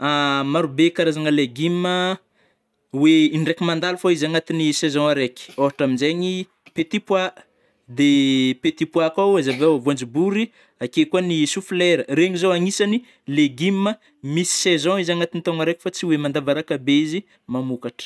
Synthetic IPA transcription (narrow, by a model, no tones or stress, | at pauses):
amaɾubekaɾazaŋəleɡimə | weiɳɖ͡ʐekimand̪alufoizaŋat̪inisezɔ̃aɾekʲi̥oɦaʈ͡ʂaminzeɲi | pet̪ipwa | d̪epet̪ipuakawezavewavuãnd͡ʒibuɾi | akekuanisuflɛɾəɾeɲizoaŋisani | leɡimːə | misi̥sezɔ̃izaŋat̪init̪oŋaɾeki̥fat͡siwemand̪avaɾakabeizi | mamukaʈ͡ʂə̥